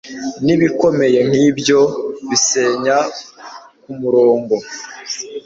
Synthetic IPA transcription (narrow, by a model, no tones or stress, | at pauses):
niβiko̞me̞je̞ŋ̥hibjo̞βise̞ːɲa | kumuɾoːŋɡo̞